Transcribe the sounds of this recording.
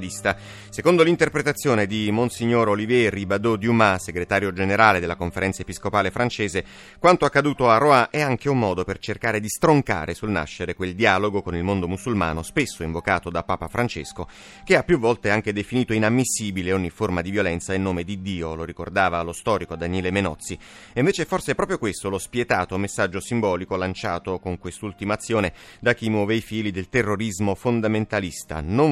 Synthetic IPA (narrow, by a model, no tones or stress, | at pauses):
list̪a | sekond̪olint̪erpɾet̪at̪sːjoːned̪imonsiɲːoːɾolivjɛribad̪od̪jumaseɡɾet̪aːɾjod͡ʒeneɾaːled̪elːakoɱfeɾɛnsaepiskopaːlefɾant͡ʃeːze | kwant̪oakːad̪uːt̪oarːoaʔɛaŋk̟eumːɔːd̪opert͡ʃerkaːɾed̪ist̪ɾoŋka̰ːɾʔesulna̰ʃːeɾekweld̪iaːloɡokonilmond̪omusulma̰ːnospesːoiɱvokaːt̪od̪apːaːpafɾant͡ʃḛsko | k̟eapːjuvːɔlt̪eaŋk̟ed̪efiniːt̪oinamːisːiːbileoɲːiformad̪ivjolɛnt̪sainːoːmed̪id̪iːoloɾikord̪aːvalost̪ɔːɾikod̪anɛːlemenɔt̪sːi | iɱveːt͡ʃeɛforseɛpːɾɔpɾjokwest̪olospjet̪aːt̪omesːad͡ʒːosimbɔːlikolant͡ʃaːt̪okoŋkwest̪ult̪imaːt̪sːjoːne | d̪ak̟imːwɔːveifiːlid̪elt̪erːoɾizmofond̪ament̪alist̪a̰no